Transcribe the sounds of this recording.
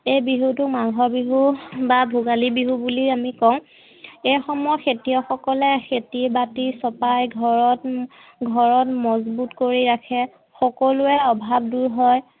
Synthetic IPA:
ejbiɦutʊkmaɡʱɔbiɦubabʱuɡalibiɦubuliamikɔw̃ | ejxɔmɔjɔxetiɔxɔkɔlɛxetibatisɔpajɡʱɔɹɔt | ɡʱɔɹɔtmɔzbutkoɹiɹakʰɛ | xɔkɔlʊɛɔbʱab̚duɹɦɔj

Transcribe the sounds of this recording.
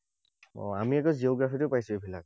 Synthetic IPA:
ɔ̰amiɛkɔzioɡɹafitʊpajsʊebʱilak̚

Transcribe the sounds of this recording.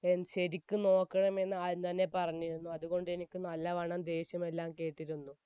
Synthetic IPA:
enːɕeɾikʲːuno̞ːkːɐɳɐme̞nːɨaːðt̪ɐnːe̞pɐrɐɲːiɾunːuɐðuɣo̞ɳɖɨe̞nikʲːɨnɐlːɐʋɐɳɐmd̪e̞ːɕjɐme̞lːaːmke̞ːʈːiɾunːu

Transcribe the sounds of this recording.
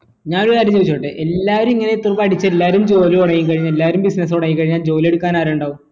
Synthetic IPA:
ɲaːnoaɾit͡ɕːeʋit͡ɕːuʈːɨʔe̞lːaːʋɐɾumiŋːɐnet̪urbɐɐɽit͡ɕːɐelːaːɐɾumd͡ʑo̞ːlioɽɐjiŋk̬ɐɻiɲːelːaːʋɐɾumbisnɐs̬oɽɐjiŋkːɐɻiɲːaːld͡ʑo̞ːlie̞ɽukːaːnaːɾeuɳɖaːʋum

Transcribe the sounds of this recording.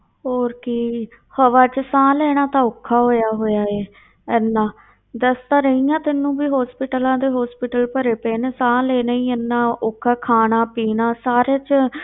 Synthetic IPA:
ɦoːɾki | həʋaːt͡ʃsãːleːɽ̃aːt̪ãːʊkʰːaːɦoːjaːɦoːjaːeː | ɛːnːãː | d̪əst̪ãːɾəijãːt̪ɪnːũːbiːɦɔːspɪʈəlãːd̪eːɦɔːspɪʈəlpəɾeːpeːnesãːleːnəĩːɛːnːãːʊkʰːaːkʰaːnaːpiːnãːsaːɾeːt͡ʃ

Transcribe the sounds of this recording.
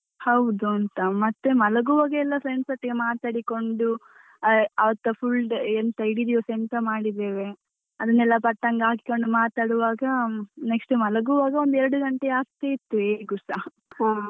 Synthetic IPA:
hɐwd̪uɐnt̪ɐmɐt̪ːemɐlɐɡuʋaːɡɐɛlːɐfɾeɳsɐʈːɐɡemaːt̪aːɽiko̞ɳɖu | ɐʋɐt̪ːɐpʰulɖent̪ɐiɽid̪ijosent̪ɐmaːɽid̪eːʋe̞ | ɐd̪ɐnːɛlːɐpɐʈːɐŋɡaːki̥ko̞ɳɖumaːt̪aːɽuʋaːɡɐne̞ksʈumɐlɐɡuʋaːɡɐond̪uɛɾɐɽuɡɐɳʈeaːɡ̚t̪eit̪ːueːɡusa

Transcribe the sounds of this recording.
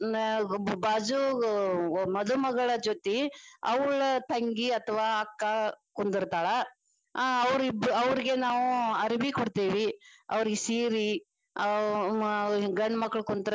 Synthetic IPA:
baːd͡ʒu | mɐd̪umɐɡɐɭɐd͡ʒot̪iɐʋɐɭt̪ɐŋɡiɐt̪ʰɐʋaːɐkːɐkond̪iɾt̪aːɭɐ | ɐʋɾbɐʋɾiɡe̞naːʋuɐɾibikoɽt̪iːʋiɐ̰ʋɐɾiɡesiːɾi | ɐ | ɡɐɳːmɐkːɐɭkond̪ɾ

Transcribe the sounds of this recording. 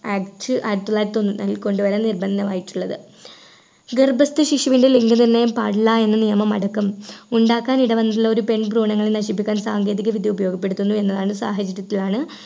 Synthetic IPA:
aːkʈɨʔɐɾut̪ːulːaːɾt̪ːonːunːɐ̰ilko̞ɳɖuʋɐɾɐnirbɐnd̪ɐmaːjiʈːuɭːɐðɨ | ɡerbɐst̪ɨɕiʂuʋindeliŋɡɨnɐnːejumpa̰ːɽilːae̞nːɐnijɐmɐmɐ̰ɽɐkːɐmuɳɖaːkːaːniɽɐʋɐnːɐt̪ilːɐo̞ɾupe̞ɳbruːɳɐŋːɐɭenɐɕip̬ːikʲːaːnsaːŋɡe̞ːðiɣɐʋid̪jɐubɐjo̞ːɡɐpːe̞ɽut̪ːunːue̞nːɐðaːɳɨsa̰ːɦɐd͡ʑɐɾjɐt̪ːilaːɳɨ

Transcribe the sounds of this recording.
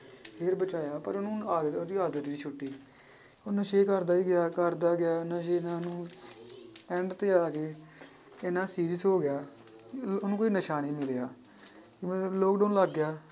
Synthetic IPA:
pʰeːɾbət͡ʃaːjaːpə̰ɾʊnũːaːd̪əoːd̪iːaːd̪əɾɾiːt͡ʃʰʊʈːiː | onəʃeːkəɾd̪aːiːɡɪjaːkəɾd̪aːɡɪjaːnãːʃeːnãːnũː | ɛ̃ɳɖt̪eːaːkeː | ɪnãːsiːɾisɦoːɡɪjaː | onũːkoːiːnəʃaːniːmɪleːjaː | kimɛ̃loːkɖəːnləɡːjaː

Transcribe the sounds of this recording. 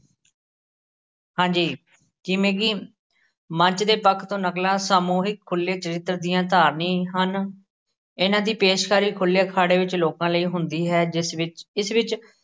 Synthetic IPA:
hãːd͡ʒiː | d͡ʒɪmẽːkiː | mə̃ɲt͡ʃd̪eːpəkʰt̪õːnəklãːsaːmuːɦɪkʰːʊlːeːt͡ʃəɾɪt̪ːəɾd̪ɪjãːt̪aːɾnĩːɦən | ɪnãːd̪iːpeːʃkʰaːɾiːkʰʊljaːkʰaːɽeːʋɪt͡ʃloːkãːləiːɦʊnd̪iːɦɛːd͡ʒɪsʋɪɪsʋɪt͡ʃ

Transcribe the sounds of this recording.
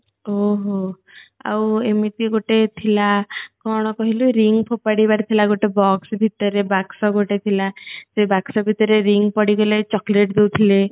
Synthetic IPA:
oɦo | a̰wemit̪iɡoʈet̪ʰilakɔɽ̃ɔkɔɦiluɾiŋɡpʰopaɽibaɾt̪ʰilaɡoʈebɔksbʱit̪ɔɾebaksɔɡoʈet̪ʰilasebaksɔbʱit̪ɔɾeɾiŋpɔɽiɡɔlet͡ʃɔkleʈd̪ewt̪ʰile

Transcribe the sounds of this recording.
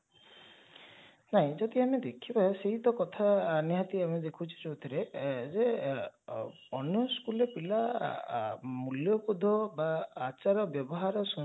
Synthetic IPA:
naɦĩd͡ʒɔd̪iamed̪ekʰibajseɦit̪ɔkɔt̪ʰaːniɦat̪iamed̪ekʰut͡ʃʰi̥t͡ʃowt̪ʰiɾed͡ʒe | ɔnjɔskulepila | muljɔpud̪ʱɔbaːt͡ʃaɾɔbjɔbɔɦaɾɔsɔ

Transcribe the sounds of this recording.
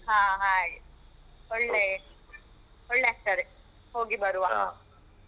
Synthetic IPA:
ɦãːɦaːj | ɔɭːe | ɔɭːeɐk̚ʈ̪ɐɾe | hoːɡibɐɾuʋa

